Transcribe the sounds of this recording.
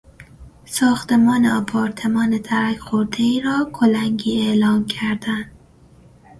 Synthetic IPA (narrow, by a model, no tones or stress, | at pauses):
sɒːxt̪emɒːneɒpʰɒːɾt̪ʰemɒːned̪ʰæɾækxoɾd̪eiːɾɒːkʰolæŋɡiːelɒːnkʰæɾd̪ænd̪